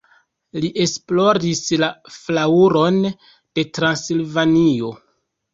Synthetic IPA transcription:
liʔe̞splo̞ɾislaflauɾo̞n | d̥e̞tɾansilvanio̞

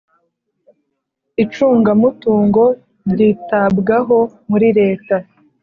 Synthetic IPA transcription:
it͡ʃuːŋɡamutuːŋɡo̞ | ɾɾiːtabɡaɦo̞muɾiɾe̞ːta

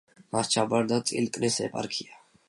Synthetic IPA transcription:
mast͡ʃʰabaɾd̪asʼḭlk̪ʼnisɛ̰pʼa̰ɾkʰia

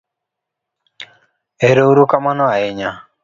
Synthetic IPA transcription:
eɾeuɾukamanɔaɪɲa

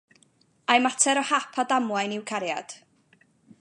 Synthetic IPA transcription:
ajmatʰɛɾɔhapʰɔdamwajnɪwkʰaɾja̰d̥

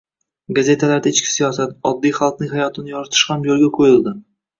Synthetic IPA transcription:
ɡaze̞t̪ʰalaɾd̪aet͡ʃkʲʰɪ̥sijɒsat̪̚ɒd̪ːijχalˠqnɪŋhajɒt̪ʰɪnɪjɒɾɪt̪ʰɪ̥ʃhamjolˠɡʲaqʰojɪlˠd̪ɪ

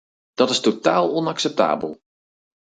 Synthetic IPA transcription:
d̥ɔtɪstotaːlˠɔnaksɛp̚ta̰ːbə̰lˠ

